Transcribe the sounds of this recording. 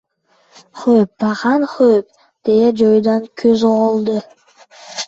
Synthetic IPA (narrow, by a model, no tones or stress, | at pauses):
χøːp̚bɑχɑnχøp̚ | d̪̥ejed͡ʒojd̪ɑŋkʰøzʁolˠd̪ɯ